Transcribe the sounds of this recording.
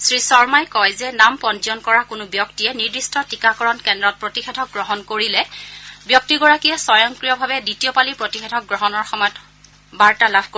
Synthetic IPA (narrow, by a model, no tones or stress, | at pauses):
sɹisɔɹmajkɔjzɛnampɔnzɔnkɔɹakʊnʊbjɔktiɛniɹdistʰɔtikakɔɹɔnkɛndɹɔt̚pɹotixedʱɔk̚ɡɹɔɦɔnkoɹilɛbjɔk̚tiɡɔɹakijɛsɔjɔŋkɹijɔbʱabɛditijɔpalipɹotixedʱɔk̚ɡɹɔɦɔnɔɹxɔmɔjɔt | baɹtalabʱko